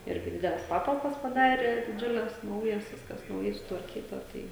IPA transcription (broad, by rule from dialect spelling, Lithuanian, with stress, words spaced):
ˈɪrʲɡʲɪ ˈdʲɪdʲɛlʲɛs ˈpɑːtɐlˠpɐs pɐˈdɑːrʲeː dʲɪˈd͡ʒʲʊlʲɛs ˈnɐʊjɛs ˈʋʲɪskɐs nɐʊˈjɛɪ sʊtʋɐrʲˈkʲiːtɐ ˈtɐɪ